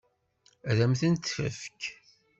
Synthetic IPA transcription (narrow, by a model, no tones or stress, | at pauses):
ðæmθənt̪ːfæ̰fk